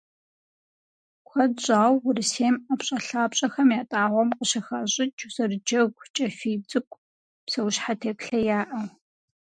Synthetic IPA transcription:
kʷʰɐdɕʼaːwːʊrɨseːmapɕʼɐɬaːpɕʼɐxɐmjaːtʼaːʁʷɔmqəɕɐxɐɕʼɪt͡ʃʰʼwzɐrɨd͡ʒɐɡʷt͡ʃʼɐfiːd͡zɨkʷʼ | psɐwɕħatʰeːpɬɐjaːʔɐw

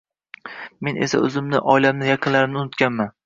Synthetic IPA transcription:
me̞nʔe̞sa̰ɵzɪmnɪʔɒjlamnɪjɑqʰɨnlaɾɪmnɪʊnʊt̪kʲanman

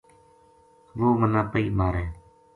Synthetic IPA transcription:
ʋoːmənãːpəiːmaːɾɛ̃ː

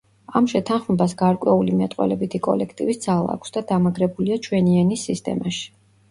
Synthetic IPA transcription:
amʃɛt̪ʰanχmɛbas̬ɡaɾkʼwɛulimɛt̪ʼqʼwɛ̰lɛbit̪ʰikʼɔ̰lɛkʰt̪ʼivisd̪zalˠa̰ːkʷʰsd̪ad̪amaɡɾɛbuliat͡ʃʰwɛnianisːist̪ʼɛ̰maʃi̥

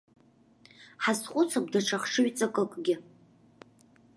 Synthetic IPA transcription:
ħasχʷʼʊt͡sʰak̚ʷdaʈ͡ʂʰaχʂɨɥt͡sʼakʼɨkʼɡʲɪ

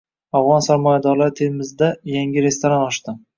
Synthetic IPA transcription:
avʁɒnsaɾmɒjad̪ɒɾlaɾɪt̪ʰeɪmɪzɪd̪ajaŋʲɪɾe̞st̪oɾanɒʃt̪ɪ

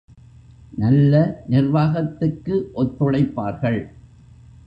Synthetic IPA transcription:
nɐlːɐnɪrʋaːɣɐt̪ːɯkːɯʔɔt̪ːʊɽɐɪpːaːɾɣɐɭ

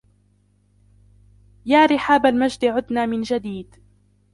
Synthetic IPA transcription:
jaːɾɪħaːbalmad͡ʒd̪ɪʕʊd̪naːmɪnd͡ʒad̪iːd̪

